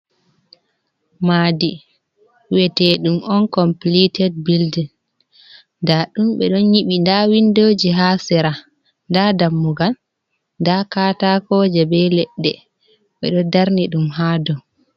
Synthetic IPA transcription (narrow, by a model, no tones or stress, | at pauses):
maːdi | wɛtɛɗumɔnkɔmplitɛd̚bild | ndaɗumɓɛɗɔnjiɓindawindoːd͡ʒiɦaːsɛɾa | ndadamːuɡal | ndakatakɔd͡ʒɛbɛlɛɗːɛ | ɓɛ̰ɗɔdaɾniɗumhaːdɔ